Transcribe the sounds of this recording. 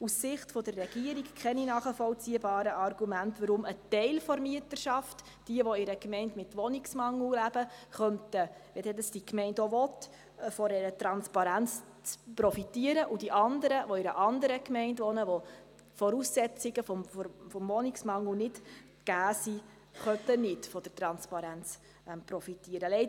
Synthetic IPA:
ussɪχtfɔdərːɛɡ̥iəɾikkʰχɛninɑːχəfɔlt͡siəbɑːɾəʔɑrɡumæntʋəɾʊmətɛɪlfɔɾmiətəɾʃɑft | d̥iəʋɔɪɾəkmɛɪntmɪtʋɔnɪksmɑŋːllæb̥əχœntəʋɛdɛdəsd̥ikmɛɪndoʋɔt | fɔɾɛɾətɾɑnspɑɾænt͡s | t͡spɾɔfitiəɾəʔud̥iʔɑnd̪əɾəʋɔɪɾəʔɑnd̪əɾəkmɛɪndʋɔnəʋɔ | fɔɾusːɛt͡sɪɡəfɔmfɔmʋɔnɪksmɑŋl̩nɪt | ɡ̥æːsi | χœnt̪ənɪtfɔd̥əɾtɾɑnspɑɾænt͡s | ɛmpɾɔfitːiəɾəlɛɪd

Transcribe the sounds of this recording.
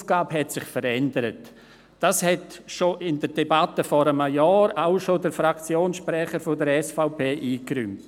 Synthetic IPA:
fɡ̥aːbhɛtsɪχfəɾɛndəɾət | d̥ashɛtʃoʔɪndəɾdebatəfɔɾəmajɔːɾaʊʃodəɾfɾakt͡sjoːnsʃpɾɛχəɾfodəɾɛsfaʊpʰeːʔiːkɾʏmt

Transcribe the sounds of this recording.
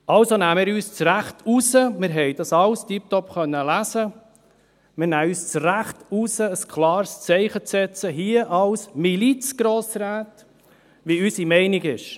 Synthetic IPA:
ʔɑlsonæːmɪːɾyːst͡sɾæχtʰusəmɪɾɦɛɪd̥ɑsɑlstip̚tɔpχœnːəlæsə | mɪɾnæːyːst͡sɾæχtusəːskʰlɑːɾst͡sɛɪχət͡sɛt͡səɦiəʔɑlsmilit͡sɡ̥ɾoːsɾæːt | ʋiysimɛɪniɡɪʃ

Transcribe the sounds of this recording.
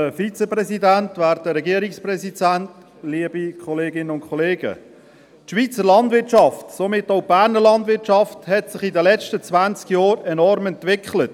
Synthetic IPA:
əfit͡səprɛzidæntʋæːɾdəɾɛɡiəɾɪksprɛsidænt | liəb̥ikʰɔleːɡɪnənʊnkʰɔleːɡ̥ə̰ | tʃʋiːt͡səɾlɑndvʋɪɾtt͡ʃɑftsomɪtoʊb̥æːɾnəlɑndʋɪtʃɑfthɛtsɪχidəlɛt͡ʃtət͡svænt͡skjɔːɾɛnɔɾmɛntʋɪkχlət

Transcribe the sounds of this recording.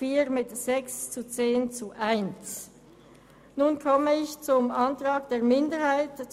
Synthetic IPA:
iːʁmɪtz̥ɛkst͡sut͡seːnt͡suʔaɪnt͡s | nuːnkʰɔməɪçt͡sʊmʔantʁ̥aːɡd̥eːɐmɪndəʁhaɪtt͡s

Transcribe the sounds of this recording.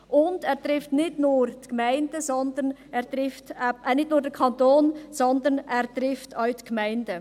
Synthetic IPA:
ʔʊnd̥ɛːɾt̪ɾɪftnɪtnuːɾtkmæɪnd̥əzɔnd̪ənɛːɾt̪ɾɪftɛnɪtnuːɾdəkʰɑntoːnsɔnd̪ənɛːɾtɾɪftaɥtkmæɪndə

